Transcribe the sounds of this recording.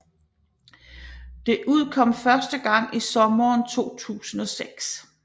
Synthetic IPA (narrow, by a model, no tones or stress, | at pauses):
d̥e̝ʔuð̞̰ˠkʰɒ̽m̰fɶɐsd̥əɡ̥ɑ̈ŋ̰isɒ̽mɐːnt͡sʰo̝̰ːt͡sʰṵːsn̩ɒ̽seɡ̥s